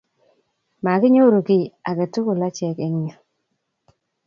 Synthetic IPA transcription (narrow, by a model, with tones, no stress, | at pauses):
ma˨kɪ˦ɲo˦ɾo˨kɪ˨a˨ke˨tu˦ko˨la˦t͡ʃɛ˨ke˦ŋɲa˨